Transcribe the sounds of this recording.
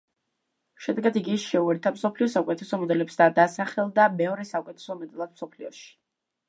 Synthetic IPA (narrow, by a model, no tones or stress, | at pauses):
ʃɛd̪ɛɡad̪iɡiʃɛuɛɾt̪ʰamsɔpʰliɔsaukʼɛt̪ʰɛsɔmɔd̪ɛlɛpsd̪ad̪asaχɛlˠd̪amɛvɾɛsaukʼɛt̪ʰɛ̥sɔmɔd̪ɛlˠad̪̥̚msɔpʰliɔʃi̥